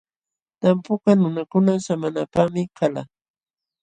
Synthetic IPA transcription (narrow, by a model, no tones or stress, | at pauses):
t̪ampʊkanʊnakʊnasamanapamɪkala̰